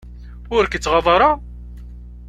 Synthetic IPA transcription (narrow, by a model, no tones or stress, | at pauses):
ʊɾkət͡sːʁɑðˤɑɾˤɑ